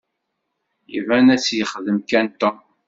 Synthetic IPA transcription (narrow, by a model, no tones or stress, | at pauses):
jəvænæt͡sːjəχəðəmkænt̪ɔ